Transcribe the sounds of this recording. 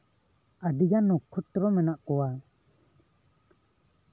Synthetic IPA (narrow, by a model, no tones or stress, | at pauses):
ad̪ijanːɔkʰut̪ɾɔmɛnaʔkɔwa